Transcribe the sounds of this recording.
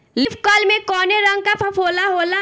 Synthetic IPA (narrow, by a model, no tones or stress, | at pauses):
lipʰkəlmẽkɔːneɾə̃ŋɡ̚kapʰɐpʰoːlaɦoːla